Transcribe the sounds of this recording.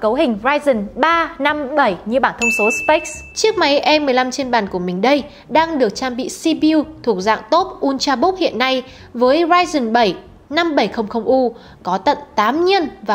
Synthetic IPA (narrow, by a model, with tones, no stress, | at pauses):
kə˨˦wɦï˨˩ŋ̟zaː˧jzə˨˩nɓaː˧na˧mɓə˧˩jɲɨ˧ɓaː˧˩nt̪ʰə˧wŋ͡mso˨˦spe˦˥k̚st͡ɕi˦˥ək̚ma˨˦jʔɛ˧mɨ˨˩əjla˧mt͡ɕe˧nɓaː˨˩nku˧˩əmï˨˩ŋ̟ɗə˧j | ɗaː˧ŋɗɨ˨˩ək̚t͡ɕaː˧mɓḭ˧˨si˧ɓi˧wt̪ʰu˨˩ək̚za̰ː˧˨ŋt̪o˦˥p̚ʔu˧nt͡ɕaː˧ɓʊ˦˥k͡p̚hḭ˧˨ənːa˧j | vəː˨˦jzaː˧jzə˨˩nɓə˧˩j | na˧mɓə˧˩jxə˧wŋ͡mxə˧wŋ͡mʔu˧ | kɔ˨˦t̪ə̰˧˨nt̪aː˨˦mɲi˧ənvaː˨